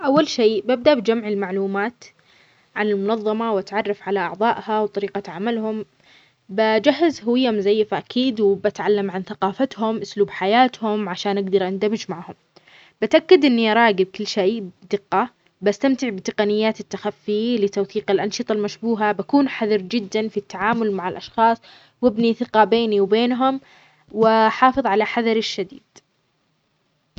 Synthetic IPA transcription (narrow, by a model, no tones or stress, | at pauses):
ʔawːalʃeːbab̚d̪aʔbɪd͡ʒamʕɪlmaʕluːmaːt̪ | ʕanɪlmʊnɑðˤːɑmawat̪ʕɑrˤːɑfʕalaʔɑ̰ʕðˤɑːʔhawt̪ˤɑɾiːqaʕamalhʊm | bad͡ʒaɦːɪzhʊwɪjːamzajːfaʔakiːd̪wbat̪ʕalːamʕanθaqɑːfat̪hʊmʔʊsluːbħajaːt̪hʊmʕaʃaːnʔaɡd̪ɑɾˤʔand̪amɪd͡ʒmaʕhʊm | b̥ɪt̪ʔakːad̪ʔɪnːiʔɑɾˤɑːɡɪb̚kɪlːʃeːd̪ɪqːɑ | bast̪amt̪ɪʕbɪt̪ɪqɑnɪjːaːt̪ɪt̪ːaxafːɪjlɪt̪awθiːqɪlʔɑnʃɨt̪ˤɑlmaʃbuːɦabakuːnħaðɑɾd͡ʒɪd̪ːanfit̪ːaʕaːmʊlmaʕalʔɑʃxɑːsˤ | wɪbniθɪqɑbeːniwbeːnɦʊm | wɪħɑːfɨðˤʕalaħaðɑɾˤɪʃːad̪ḭːd̪̥